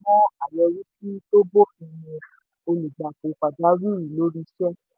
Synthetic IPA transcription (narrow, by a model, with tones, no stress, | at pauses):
mɔ̃˦a˨jɛ˧ɾi˦ki˦to˦bo˦fĩ˧jĩ˧˨ | o˧lu˨ɡ͡ba˨ko˨˦k͡pa˨da˨˦ɾi˦˨ɾĩ˨lo˨˦ɾi˧sɛ˦